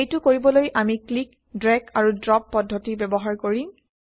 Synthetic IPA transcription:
ejtʊkoɹibɔlojʔamiklik | dɹɛkʰaɹudɹɔpːɔdʱːɔtibɛbɔɦaɹkoɹi

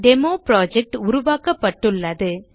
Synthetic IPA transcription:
ɖɛmoːpɾaːd͡ʒɛk̚ʈʊɾʊʋaːkɐpːɐʈːɯɭːɐðɯ

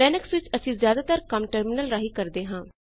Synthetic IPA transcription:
ɛːnəksʋɪt͡ʃəsĩːzjaːd̪aːt̪əɾkəmʈəɾmɪnəlɾaːɦiːkəɾd̪eːɦãː

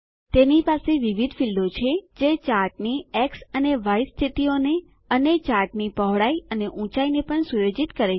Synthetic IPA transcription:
t̪enipaseʋiʋid̪ʱfild̪ot͡ʃʰed͡ʒet͡ʃaɾʈ̚nieksəneʋajst̪ʰit̪ione | ənet͡ʃaɾʈnipəɦɭaiəneʔũt͡ʃainepəɳsujod͡ʒit̪kəɾe

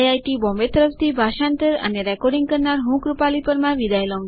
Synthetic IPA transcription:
ajʈibɔ̃mbet̪əɾəft̪ʰibʱaʃãnt̪əɾə̰neɾɛkɔɾɖiŋɡkəɾnaɾɦũkɾupalipəɾmãʋid̪ajlɔ̃ŋ

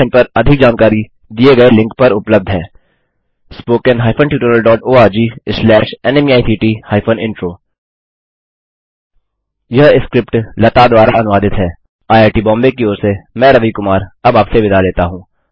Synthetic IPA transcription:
npɐɾɐd̪ʱɪk̚d͡ʒaːnkaːɾi | d̪ieɡɐelɪ̃ŋkpɐɾʊpləb̚d̪ʱɦɛ̃ː | spoːkɛnɦaːɪfʰənʈjuːʈəɾəlɖɔːʈoːaːɾd͡ʒiːslɛːʃɛnɛmiaːisiːʈihaːɪfənɪ̃ɳʈɾoː | jɐɦɪskɾɪp̚ʈlɐt̪ad̪ʋaːɾaɐnʊʋaːd̪ɪt̪ɦɛː | aːjaːɾʈibɔ̃ːmbekioːɾsemɛ̃ɾɐʋikʊmaːɾɐbaːpseʋɪd̪ʱaleːt̪aɦũː

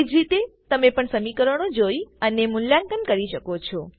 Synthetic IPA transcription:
d͡ʒɾit̪et̪əmepəɳsəmikəɾəɽ̃od͡ʒoiənemʊnlankənkəɾiʃəkot͡ʃʰɔ

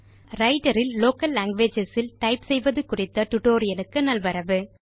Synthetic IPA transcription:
ɾɐɪʈɐɾɪlːoːkɐlːaːŋɡʋeːd͡ʒɛsɪlʈɐɪpsɛjʋɐðɯkʊrɪt̪ːɐʈ̪ʊʈoːɾɪjɐlɯkːɯnɐlʋɐɾɐʋɯ

